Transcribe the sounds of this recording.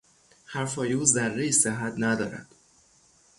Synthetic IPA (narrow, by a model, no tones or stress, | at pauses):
hæɾfɒːjeuːzærːejiseɦæt̪ʰnæd̪ɒːɾæ̰d̪̥